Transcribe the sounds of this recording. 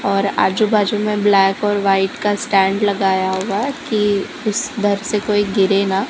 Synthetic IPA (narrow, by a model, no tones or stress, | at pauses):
ɔːɾa̰ːd͡ʒubʱaːd͡ʒumẽblɛːkɔːɾʋaːɪʈkasʈɛ̃ːɳɖlɐɡaːjaɦʊaɦɛki | ʊsd̪ʱɐɾsekoːiɡɪɾena